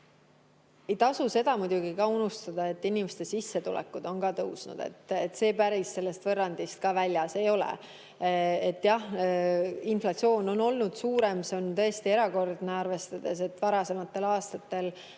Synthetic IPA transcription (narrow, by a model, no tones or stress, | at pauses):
e̞jt̪ɑsuse̞d̪̥ɑmud̪̥ʲuɡ̥ikɑunust̪ɑd̪̥ɑe̞t̪ːinimest̪e̞sisːe̞t̪ulḛkːˑud̪̥o̞nkɑt̪ɤwsnṵd̪̥e̞̰t̪ːet̪ːse̞ːpæɾisːe̞lːe̞st̪vɤrːɑnd̪̥ist̪̚kɑvælʲjɑse̞jo̞lḛ | et̪ːjɑh | inflɑt̪sio̞ːno̞no̞lnud̪̥suːɾe̞mseo̞nt̪ɤ̞e̞st̪ie̞ɾɑko̞rd̪̥neɑrve̞st̪ɑd̪̥e̞se̞t̪ːˑvɑɾɑse̞mɑt̪ːe̞lɑːst̪ɑt̪ːe̞l